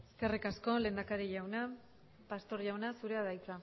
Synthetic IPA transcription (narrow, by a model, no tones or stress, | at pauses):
eske̞rikasko̞le̞ːnd̪akaɾiʝawna | past̪o̞ɾʝawnasuɾe̞aðajt͡sa